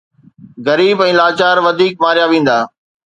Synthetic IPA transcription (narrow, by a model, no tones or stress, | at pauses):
ɣɐɾiːbɛ̃ːlaːt͡ɕaːɾʋɐd̪ʱiːk̚maːɾijaʋẽːn̆d̪aː